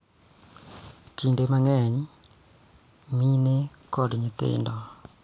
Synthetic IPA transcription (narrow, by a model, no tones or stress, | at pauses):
tindemaŋɛɲ | mine | kɔdɲɪt̪ɪ̰ndɔ